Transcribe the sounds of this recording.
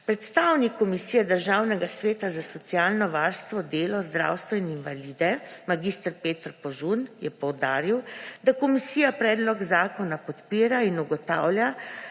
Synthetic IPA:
pɾɛt̪st̪awnikːɔmisiːjɛd̪əɾʒawnɛɡasʋeːt̪azasɔt̪sjaːlnɔʋaɾst̪ʋɔd̪eːlɔzd̪ɾa̰wst̪ʋɔininʋalid̪ɛmaɡist̪əɾpeːt̪əɾpɔʒunjɛpɔwd̪aːɾiwd̪akɔmisiːjapɾɛːd̪lɔɡzaːkɔnapɔt̪piːɾainuɡɔt̪a̰wlja

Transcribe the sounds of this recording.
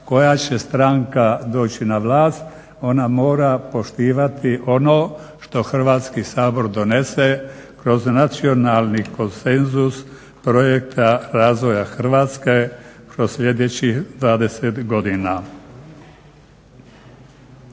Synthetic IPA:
ko̞jat͡ɕe̞st̪ɾaŋkad̪o̞ːt͡ɕinaʋlaːst̪ | o̞namo̞ːɾapo̞ʃt̪iːʋat̪iʔo̞no̞ʃt̪o̞xr̩ʋaːt̪skisaːbo̞ɾd̪o̞ne̞sekɾo̞znat̪sio̞nalniko̞nse̞nzus | pɾo̞jek̚t̪ʰaɾaːzʋo̞jaxr̩ʋaːt̪ske̞kɾosʎʲe̞d̪et͡ɕixd̪ʋaːd̪e̞set̪ɡo̞d̪ina

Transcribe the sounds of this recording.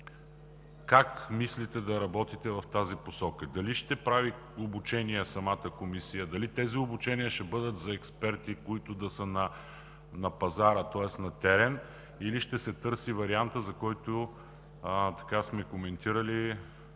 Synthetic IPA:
kakmislit̪ɛd̪ɐɾɐbɔt̪it̪ɛvɐft̪aziposɔkəd̪ɐliʃt̪ɛpɾavi | obut͡ʃɛniɛsɐmat̪əkomisijəd̪ɐlit̪ɛziobut͡ʃɛniəʃɛbɤd̪ət̪zɐɛkspɛɾt̪ikoit̪ʊd̪ɐsənɐ | nɐpɐzaɾət̪ɔɛsnɐt̪ɛɾɛn | iliʃt̪ɛsɛt̪ɤɾsivɐɾiant̪əzɐkɔjt̪o | t̪ɐ̥kasmɛkomɛnt̪iɾəli

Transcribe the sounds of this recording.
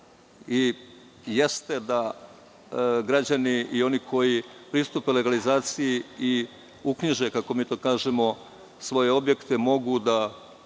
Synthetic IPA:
i | je̞st̪e̞d̪a | ɡɾad͡ʑaniio̞nikʰo̞jipɾist̪upele̞ɡalizaːt̪sijii | ukɲiʒekako̞miːt̪o̞ːkaːʒe̞mo̞ | sʋo̞je̞o̞bje̞kt̪emo̞ɡud̪a

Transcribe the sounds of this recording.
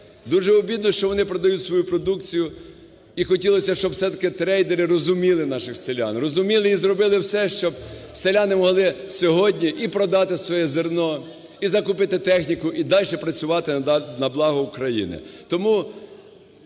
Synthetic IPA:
d̪uʒɛɔbʲid̪̚nɔʃt͡ʃɔʋɔnɪpɾɔd̪ɐjutʲsʋɔjupɾɔd̪ukt͡sʲijʊ | ixɔtʲilˠɔsʲɐʃt͡ʃɔb̪sɛt̪ɐkɪt̪ɾɛjd̪eɾɪɾɔzʊmʲilˠɪnɑʃɪxselʲa̰nrɔzʊmʲilˠɪizɾɔbɪlˠɪwsɛʃt͡ʃɔbselʲanɪmɔɦlˠɪsʲɔɦɔdʲnʲiʔipɾɔd̪ɑt̪ɪsʋɔjɛzernɔ | izɐkʊpɪt̪ɪt̪ɛxnʲikʊʔid̪ɑlʲʃɛpɾɐt͡sʲʊʋɑt̪ɪnɐblˠɑɦʊʊkɾɐjḭnɪ̰t̪ɔmu

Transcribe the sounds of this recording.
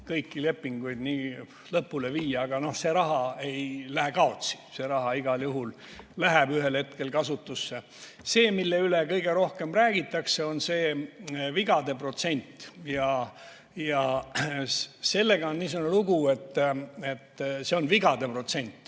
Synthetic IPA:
kɤjkːile̞pːiŋɡ̥ujd̪niː | lɤpːule̞viːjɑːɡ̥ɑno̞hse̞ɾɑɦɑe̞jlæɦekɑo̞t̪si̥se̞ɾɑɦɑiɡ̥ɑljuɦul | læɦæb̥yɦelhe̞t̪̚ke̞lkɑsut̪ːˑusːe | se̞ːmilːe̞ylekɤjɡe̞ɾo̞hke̞mræːɡ̥it̪ːˑɑkse̞o̞nse̞ːviɡɑd̪e̞pro̞t̪se̞nʲt̪ːjɑ | jɑ | se̞lːeɡ̥ɑonːiːsuneluɡue̞t̪ːe̞t̪ːse̞o̞nviɡɑd̪̥e̞pro̞t̪se̞nʲt̪ˑː

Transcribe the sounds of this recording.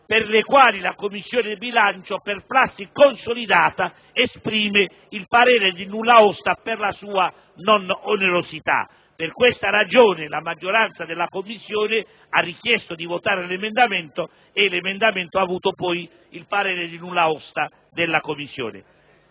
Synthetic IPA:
perlekwaːlilakomːisːjoːnɪd̪ibilant͡ʃoperplasːikonsolid̪aːt̪a | espɾiːme | ilpaɾeːɾed̪inulːaɔst̪aperlasuːa | nononeɾosit̪a̰ | pɪrkwest̪aɾad͡ʒoːnɪlamad͡ʒːoɾant̪sad̪elːakomːisːjoːnɪ | arːik̟jɛst̪od̪ivot̪aːɾelemend̪ament̪o | elemend̪ament̪oavuːt̪opɔj | ilpaɾeːɾed̪inulːaɔst̪a | d̪elːakomːisːjo̰ːnɪ̰

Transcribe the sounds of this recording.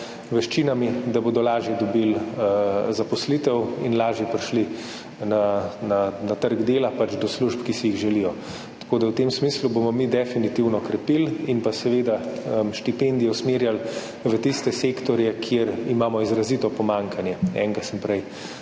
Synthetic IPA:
ʋɛʃt͡ʃinamid̪aboːd̪ɔlaːʒjɛd̪ɔbil | zapɔslit̪ɛwḭnlaːʒjɛpɾiʃli | nananat̪əɾɡd̪eːlapat͡ʃd̪ɔsluʃpkisijiɣʒɛlijɔ | t̪ḁkoːd̪awt̪emsmislubomɔmid̪ɛfinit̪iwnɔkɾɛpilinpasɛʋeːd̪amʃt̪ipend̪ijɔsmeːɾjal | ʋət̪ist̪ɛseːkt̪ɔɾjɛkʰjeɾimaːmɔizɾazit̪ɔpɔmaŋkʰanjɛɛ̰ːŋɡasəmpɾɛj

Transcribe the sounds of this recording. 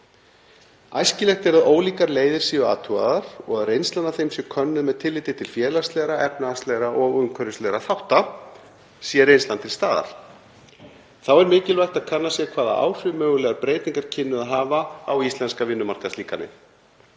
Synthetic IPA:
ajscɪlɛxt̪ɛɾaðoːwliːkaɾleːjðɪɾ̥siːʏa̰ːt̪ʰua̰ðaɾ̥ɔɣaðɾejnst̪lanaθejmsjɛmkʰœnːʏðmɛðt̪ʰɪlːɪːt̪ɪt̪ʰɪlfjɛːlast̪lɛːɣɾaɛpnaast̪lɛːɣɾaʔɔɣʏmŋkʰœɾʏst̪lɛɣɾaθawht̪a | siːɛɾejnst̪lant̪ʰɪlst̪aːða̰ɾ̥ | θawɛɾmɪːcɪlvajxt̪aðkʰanːasjɛɣkʰvaːða̰ʔa̰ːwr̥ʏmœːɣʏlɛːɣapɾeːjt̪niŋkaɾ̥cʰɪnːʏðaðɦaːvaawist̪lɛnskavɪnːʏmar̥kat̪iːkanɪ̰

